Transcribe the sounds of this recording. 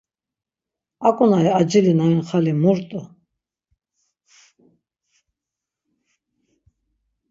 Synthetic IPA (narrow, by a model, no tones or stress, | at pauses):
akʼunaiad͡ʒilinainχalimuɾt̪ʼu